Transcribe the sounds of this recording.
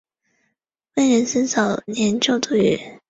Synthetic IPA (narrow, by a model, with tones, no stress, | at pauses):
we˥˩ɪɻə˧˥nsə˥nsɑ˨˩ʊnjɛ˧˥nt͡ɕjo˥˧ʊt̪u˥˩y̰˨˧˩